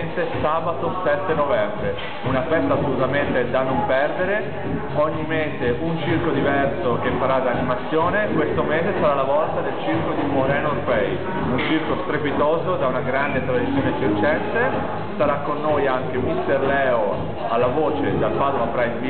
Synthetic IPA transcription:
nt̪esaːbat̪osɛt̪ːenovɛmbɾe | unafɛst̪aːsːolut̪ament̪ed̪anompɛrd̪eɾe | ɔɲːimeːzeʔunt͡ʃirkod̪ivɛrsok̟efːaɾad̪aːnimat̪sːjoːnekwest̪omeːzesaɾalavɔlt̪ad̪elt͡ʃirkod̪imoɾɛnoɾpɛj | unt͡ʃirkost̪ɾepit̪oːzod̪aunaɡɾand̪et̪ɾad̪it̪sːjoːnesiɾt͡ʃɛnt̪e | saɾakːonːoːjaŋk̟emist̪erlɛːo | alːavoːt͡ʃed̪alpaːd̪omapɾajd̪vi

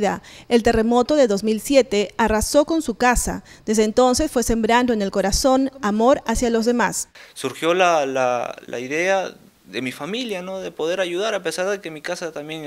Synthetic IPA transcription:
ðae̞lt̪e̞re̞mo̞t̪o̞ðe̞ðo̞zmilsje̞t̪e̞araso̞ko̞nsukasa̰d̪e̞zðeːnt̪o̞nse̞sfwe̞se̞mbɾand̪o̞ene̞lko̞ɾaso̞namo̞ɾasjalo̞zðemassuɾxjo̞lala̰la̰iðe̞a | ðe̞mifamiljano̞ðe̞po̞ðe̞ɾaʝuðaɾapesaɾðeke̞mikasat̪amjeŋ

